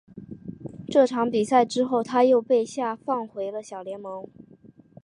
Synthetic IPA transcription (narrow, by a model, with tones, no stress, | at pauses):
ʈ͡ʂɤ˥˩ʈ͡ʂʰɑ˧˥ŋpi˨˩sa˥˩ɪʈ͡ʂɻ̩˥xo˥˩ʊt̪ʰa˥jo˥˧ʊpe˥˧ɪɕja˥˧fɑ˥˩ŋxwe˧˥ɪlə˧ɕjɑ˨˩ʊljɛ˧˥nmɤ˧˥ŋ